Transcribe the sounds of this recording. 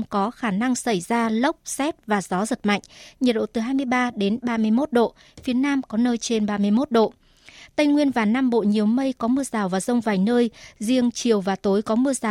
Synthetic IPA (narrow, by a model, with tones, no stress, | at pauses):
ŋ͡mkɔ˨˦xaː˧˩na˧ŋsa˧˩jzaː˧lə˦˥wk͡p̚sɛ˦˥t̚vaː˨˩zɔ˨˦zə˨˩t̚ma̰˧˨jŋ̟ɲ˨˩t̚ɗo̰˧˨t̪ɨ˨˩ɦaː˧jmɨ˧əjɓaː˧ɗe˨˦nɓaː˧mɨ˧əjmo˦˥t̚ɗo̰˧˨ | fi˨˦ənaː˧mkɔ˨˦nəː˧jt͡ɕe˧nɓaː˧mɨ˧əjmo˦˥t̚ɗo̰˧˨ | t̪a˧jŋwi˧ənvaː˨˩naː˧mɓo̰˧˨ɲi˨˩əwmə˧jkɔ˨˦mɨ˧əzaː˨˩wvaː˨˩zə˧wŋ͡mvaː˨˩jnəː˧jzi˧əŋt͡ɕi˨˩əwvaː˨˩t̪o˨˦jkɔ˨˦mɨ˧əzaː˨˩w